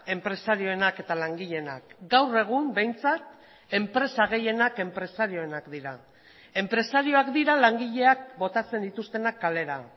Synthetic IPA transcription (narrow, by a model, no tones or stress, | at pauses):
e̞mpɾe̞saɾio̞e̞nake̞t̪alaŋɡiʎe̞na̰kɡawre̞ɣ̞umbe̞jnt͡sat̪ | e̞mpɾe̞saɣ̞e̞je̞nake̞mpɾe̞saɾio̞enakd̪iɾa | e̞mpɾe̞saɾio̞akd̪iɾalaŋɡiʎe̞ak̚bo̞t̪at͡se̞nd̪it̪ust̪e̞nakːale̞ɾa